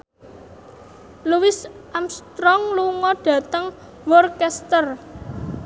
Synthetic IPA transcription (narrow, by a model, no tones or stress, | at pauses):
luwɪsʔamst̪ɾɔŋluŋɔɖ̥ä̤t̪əŋ | wɔrkɛst̪ər